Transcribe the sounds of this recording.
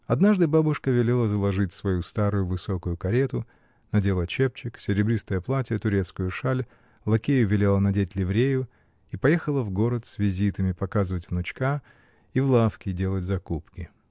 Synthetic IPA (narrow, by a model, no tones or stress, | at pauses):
ɐd̪naʐd̪ɨbabʊʂkəvʲɪlʲelˠəzəlˠɐʐɨtʲsvɐjust̪aɾʊjʊvɨso̞kʊjʊkɐɾʲet̪ʊ | nɐdʲelˠət͡ɕe̞p̚t͡ɕɪksʲɪɾʲɪbɾʲist̪əjəplˠatʲijət̪ʊɾʲe̞t̪skʊjʊʂalʲ | lˠɐkʲejʊvʲɪlʲe̞lˠənɐdʲetʲlʲɪvɾʲejʊ | ipɐjexəlˠəvɡo̞ɾət̪svʲɪzʲit̪əmʲɪpɐkazɨvətʲvnʊt͡ɕka | ivlˠafkʲɪdʲe̞lˠətʲzɐkupkʲɪ